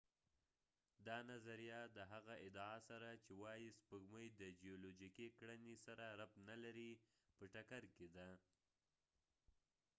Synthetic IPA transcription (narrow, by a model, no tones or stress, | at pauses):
d̪ɑnazaɾijɑd̪əɦaɣaʔɪd̪ɑɑsaɾat͡ʃewɑjispəɡməjd̪əd͡ʒijolod͡ʒikikɽənisaɾaɾap̪nalaɾi | pəʈakaɾked̪a